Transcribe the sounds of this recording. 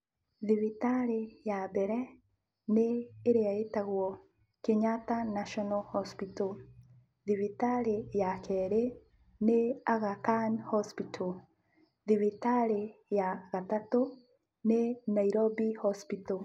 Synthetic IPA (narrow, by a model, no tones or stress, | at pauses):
ðiβitaɾejabɛɾɛ | neːɾeaetaɣwɔ | keɲatanaʃɔnɔhɔspito | ðiβitaɾejakɛɾe | neaɣakanhɔspitʰo | ðiβitaɾejaɣatato | nenaiɾobihɔspito